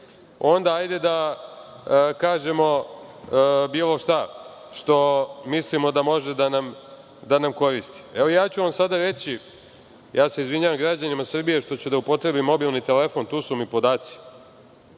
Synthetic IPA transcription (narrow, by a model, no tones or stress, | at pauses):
o̞nd̪aajd̪e̞d̪a | kaːʒe̞mo̞ | biːlˠo̞ʃt̪a | ʃt̪o̞mislimo̞d̪amo̞ʒe̞d̪anam | d̪anamko̞ɾist̪i̥eʋoijaːt͡ɕuʋamsad̪aɾe̞t͡ɕi | jaːse̞izʋiɲaːʋamɡɾad͡ʑanimasr̩bije̞ʃt̪o̞t͡ɕud̪aupo̞t̪ɾe̞bimːo̞bilˠnit̪ele̞fo̞nt̪uːsumipo̞d̪aːt̪si̥